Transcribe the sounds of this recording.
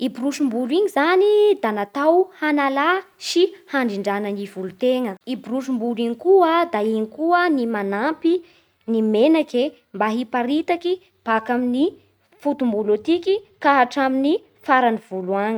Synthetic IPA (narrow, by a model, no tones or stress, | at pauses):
ibɾuʃumbuliɲizanid̪anat̪awhanalaʃihaɳɖ͡ʐiɳɖ͡ʐananiv̥ulut̪eŋəiburuʃ̬umbuliɲikuad̪aiɲikuənimanampi | nimenake | mbaɦipaɾit̪aki | b̥akamini | fut̪umbulut̪ikʲikaaʈ͡ʂamini | faɾaniv̥uluaŋə̥